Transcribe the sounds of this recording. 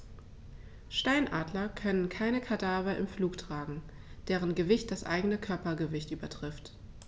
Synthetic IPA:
ʃtaɪnʔaːdlɐkʰœnənkʰaɪnəkʰadaːvɐʔɪmfluːktʁ̥aːɡŋ̩ | d̥eːʁ̞ənɡəvɪçt̚d̥asʔa̰ɪɡənəkʰœɐpɐɡəvɪçtʔyːbɐtʁ̥ɪft

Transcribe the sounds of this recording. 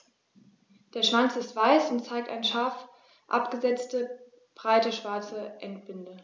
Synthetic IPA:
d̥eːɐʃv̥ant͡sɪstv̥aɪsʊntt͡saɪk̚ta̰ɪnʃaɐf | ʔa̰pɡ̥əzɛt͡stə | b̥ʁaɪtəʃv̥aɐt͡səʔɛntb̥ɪndə

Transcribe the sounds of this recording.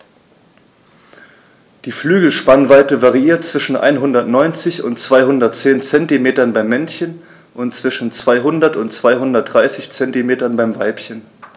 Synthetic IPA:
d̥iːflyːɡl̩ʃpanvaɪtəvaʁiiːɐt̚t͡sv̥ɪʃn̩ʔa̰ɪnɦʊndɐtnɔʏnt͡sɪçʊ̰ntt͡sv̥aɪhʊndɐtt͡seːnt͡sɛntimeːtɐnbaɪmːɛnçən | ʔʊntt͡sv̥ɪʃn̩t͡sv̥aɪɦʊndɐtʊntt͡sv̥aɪɦʊndɐt̚d̥ʁaɪsɪçt͡sɛntimeːtɐnbaɪmvaɪpçən

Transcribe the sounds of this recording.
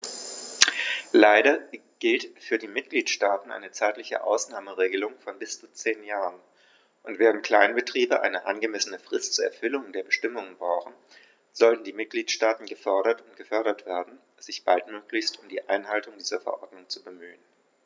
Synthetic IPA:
laɪɾɐɡ̥ɪltfyːɐdiːmɪt̚ɡ̥liːtʃtaːtn̩ʔa̰ɪnət͡saɪtlɪçə̰ʔa̰ʊsnaːməʁeːɡəlʊŋfɔnbɪst͡sut͡seːnjaːʁən | ʔʊntv̥eːʁəntkʰl̥aɪnbətʁ̥iːbəʔa̰ɪnəʔa̰nɡəmɛsənəfʁ̥ɪstt͡suːɐɛɐfʏlʊŋdeːɐbəʃtɪmʊŋənbʁaʊxn̩ | z̥ɔltn̩diːmɪt̚ɡ̥liːtʃtaːtn̩ɡəfœɐɾɐtʊntɡ̥əfœɐɾɐtv̥eːɐdn̩ | z̥ɪçb̥altmøːklɪçstʊmdiːʔa̰ɪnɦaltʊŋdiːzɐfɛɐʔɔɐdnʊŋt͡subəmyːən

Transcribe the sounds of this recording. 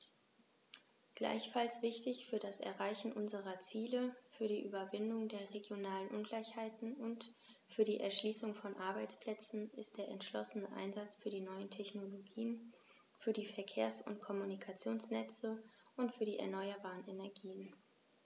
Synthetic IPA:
ɡ̥la̰ɪçfalsv̥ɪçtɪçfyːɐdasɛ̰ɐʁaɪçn̩ʔʊnzəʁɐt͡siːləfyːɐdiːʔyːbɐvɪndʊŋdeːɐʁeɡjonaːlənʔʊnɡlaɪçhaɪtn̩ʊnt | fyːɐɾiːʔɛɐʃliːsʊŋfɔnʔaɐbaɪt͡spl̥ɛt͡sn̩ɪst̚d̥eːɐʔɛ̰ntʃlɔ̰sənəʔa̰ɪnzat͡sfyːɐdiːnɔʏəntʰɛçnoloɡiːən | fyːɐdiːfɛɐkʰeːɐsʊ̰ntkʰɔmunikʰat͡sjoːnsnɛt͡səʔʊntfyːɐdiːɛ̰ɐnɔʏɐbaːʁənenɛɐɡiːən

